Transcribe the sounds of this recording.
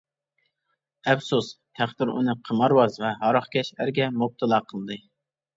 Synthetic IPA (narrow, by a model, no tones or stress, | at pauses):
ɛfsus | hæqt̪ɨɾṵnɨqʰəmɑɾwɑzvɛɦɑɾɑχkʲʰɛʃæɾɡʲɛmop̚t̪ʰɨlˠɑːqʰəlˠɨd̪ɨ